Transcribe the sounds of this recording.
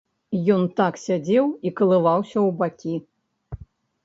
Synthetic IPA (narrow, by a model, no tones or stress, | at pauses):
jɔnt̪aksʲad͡zʲɛwikɐlˠɨvawsʲɐwbakʲi